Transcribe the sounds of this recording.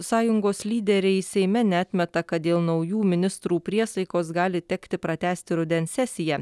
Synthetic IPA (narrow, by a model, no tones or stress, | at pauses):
sɑːjʊŋɡoːslʲiːd̪ʲɛɾʲɛɪsʲɛɪmʲɛnʲɛɑt̪ʲmʲɛt̪ɐkɐt̪̚d̪ʲeːlˠnɒʊjuːmʲɪnʲɪst̪ɾuːpʲɾʲiɛsɐɪkoːsɡɑːlʲɪt̪ʲɛkt̪ʲɪpɾɐt̪ʲæːsʲt̪ʲɪɾʊd̪ʲɛnʲsʲɛsʲɪjɛ